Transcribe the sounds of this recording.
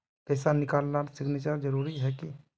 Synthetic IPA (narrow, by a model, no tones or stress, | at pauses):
t̪ɛsanikalnaɾsiɡnet͡ʃəɾd͡ʒəɾuɾiɦɛki